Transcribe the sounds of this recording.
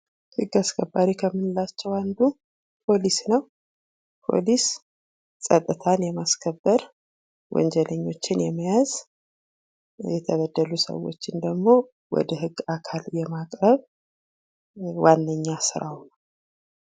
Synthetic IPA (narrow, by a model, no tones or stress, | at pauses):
hɨɡːaskʰəbːaɾikʰəmːɨnɨlat͡ʃːɛwand̪u | pʰo̞lisnəw | pʰo̞̰lis | sʼət̪ʼːɨt̪ʰanjɛmaskʰəbːəɾ | wʔɔ̰nd͡ʒɛləɲːo̞t͡ʃːɪnjɛməjaz̥ | jɛt̪ʰəβəd̪ːəlusə̰wo̞̰t͡ʃːɪnd̪əɡmo̞ | wɔ̰d̪əhɨɡːakʰaljɛmakʼɾəβ | wʔanːəɲːasɨɾa̰wnəw